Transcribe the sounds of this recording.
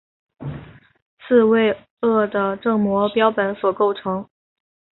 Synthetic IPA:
sʰɹ̩˥˧we˥˧ɪ | ɤ˥˩d̪ə˩ʈ͡ʂɤ˥˩ŋmwɔ˧˥pjɑ˥ʊpə˧˥nswɔ˨˩ko˥˩ʊʈ͡ʂʰɤ˧˥ŋ

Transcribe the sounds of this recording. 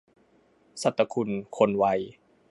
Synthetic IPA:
sa˧˩t̪ːa˧kʰu˧nkʰo˧nwa˧j

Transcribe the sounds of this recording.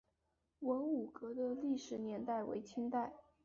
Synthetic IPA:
wə˧˥nu˨˩kɤ˧˥d̪ə˧li˥˩ʂɻ̩˨˩njɛ˧˥nt̪a˥˩ɪwḛ˧˥ɪt͡ɕʰy˥nt̪a˥˩ɪ

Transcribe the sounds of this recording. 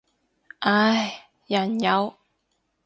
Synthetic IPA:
ʔa˨˧˩j | jɐ˨˩njɐ˨˧w

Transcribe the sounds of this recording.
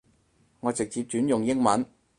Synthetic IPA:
ŋɔː˨˧t͡sɪ˨k̚t͡siː˧p̚t͡ʃyː˨˥njʊ˨˩ŋjɪ˥ŋmɐ˨˥n

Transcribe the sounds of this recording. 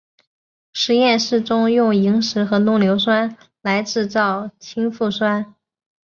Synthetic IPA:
ʂɻ̩˧˥jɛ˥˧nʂɻ̩˥˩ʈ͡ʂʊ˥ŋjʊ˥˩ŋi˧˥ŋʂɻ̩˧˥xɤ˧˥nʊ˥˩ŋljo˧˥ʊswa˥n | la˧˥ɪʈ͡ʂɻ̩˥˧t͡sɑ˥˩ʊt͡ɕʰi˥ŋfu˥˩swa˥n

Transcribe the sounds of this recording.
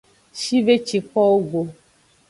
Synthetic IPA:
ʃi˦ve˦t͡ʃi˨k͡pɔ˦wo˦ɡo˨

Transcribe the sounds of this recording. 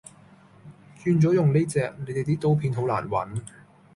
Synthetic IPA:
t͡ʃyː˧nt͡sɔː˨˥jʊ˨˩ŋne˥t͡sɛː˨k̚ne˨˧˥jt̪e˨jt̪̬iː˥t̪o˨˥wpʰiː˧nɦo˨˥wla̰ː˨˩nwɐ̰˨˥n

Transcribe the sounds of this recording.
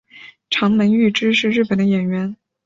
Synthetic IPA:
ʈ͡ʂʰɑ˧˥ŋmə˧˥ŋy˥˩ʈ͡ʂɻ̩˥ʂɻ̩˥˧ɻɻ̩˥˩pə˨˩nd̪ə˦jɛ˨˩nɥɛ˧˥n

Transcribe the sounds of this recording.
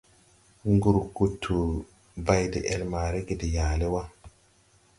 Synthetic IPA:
ŋɡu˦ɾku˨tʰːu˨ | ba˦jde˨ʔe˨lmaː˨ɾe˦ɡe˨de˨jaː˨le˦wa˦

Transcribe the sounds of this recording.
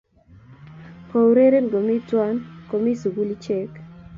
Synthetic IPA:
ko˨ɾe˦ɾe˦n˨ɡo˨mi˦twa˦nko˨mi˦su˨ɡu˦li˦t͡ʃɛ˦k

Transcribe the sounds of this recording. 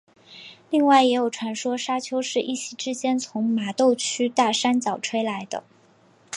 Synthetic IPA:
li˥˧ŋwa˥˩ɪjɛ˧˥jo˨˩ʊʈ͡ʂʰwa˧˥nʂwɔ˥ʂa˥t͡ɕʰjo˥ʊʂɻ̩˥˧ʔi˥˩ɕʰi˨˩ʈ͡ʂɻ̩˥t͡ɕjɛ˥nt͡sʰʊ˧˥ŋma˨˩t̪o˥˩ʊt͡ɕʰy˥t̪a˥˩ʂa˥nt͡ɕjɑ˨˩ʊʈ͡ʂʰwe˥ɪla˧˥ɪd̪ə̰˧

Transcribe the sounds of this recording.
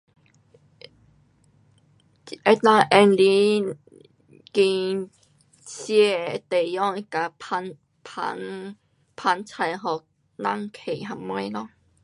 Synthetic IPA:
ʔɛ˧t̪ã˦˧ʔɛ˧nli˦ | ki˧ | sjɛ˧t̪e˨˩jɔ˥˦ŋi˦ka˧pa˧n | pʰa̰˧˦ŋ | pʰa˧˥nt͡sʰa˧jɦɔ˨ | nã˦˨ŋkʰe˨˩˨ɦa˧mwẽ˧˦jlɔ˦

